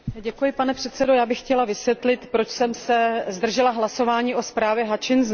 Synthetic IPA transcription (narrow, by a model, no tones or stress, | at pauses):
ɟɛkujɪpanɛpr̝̥ɛt̪sɛdo̞jaːbɪxːcɛlavɪsvjɛt̪lɪt̪pɾo̞t͡ʃsɛmsɛzd̪r̩ʒɛlaɦlaso̞vaːɲiːʔo̞spɾaːvjɛɦat͡ʃɪnz